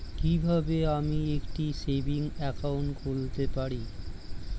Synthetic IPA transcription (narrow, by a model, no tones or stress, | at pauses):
kibʱabeamiekʈisebiŋɛkauɳʈɡʱolt̪epaɾi